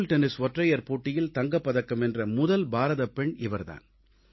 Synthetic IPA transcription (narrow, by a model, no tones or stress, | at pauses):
lʈɛnɪsʋɔʈrɐjɐɾpoːʈːɪjɪlt̪ɐŋɡɐpːɐðɐkːɐmɛndrɐmʊðɐlbaːɾɐðɐpɛɳɪʋɐɾða̰ːn